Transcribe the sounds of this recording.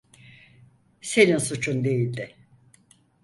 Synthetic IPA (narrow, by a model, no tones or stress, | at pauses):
se̞ninsut͡ʃʰund̪e̞jilʲd̪ɪ